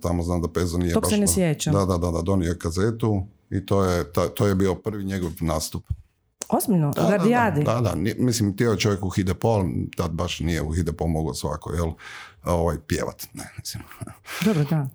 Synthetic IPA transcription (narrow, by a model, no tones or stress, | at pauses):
t̪amoznamd̪apezonijeobasenesjet͡ɕad̪ad̪ad̪ad̪ad̪o̞niokazet̪u | it̪oːjet̪at̪ojebiopr̩ʋiɲeɡoʋnaːst̪up | ozbiʎnod̪ɡ̪aɾd̪iad̪id̪ad̪a̰nimislimt̪iojet͡ʃoʋjekuxid̪epoalt̪ad̪̚baʃnijeuxid̪epomoɡosʋa̰ko̰jeloʋajpjḛʋa̰t̪nemi̥slimd̪obɾod̪a